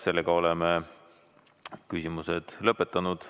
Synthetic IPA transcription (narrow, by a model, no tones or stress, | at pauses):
se̞lːeɡ̥ɑo̞leme | kysʲimuse̞d̪̥lɤpːˑet̪ːˑɑnud̪̥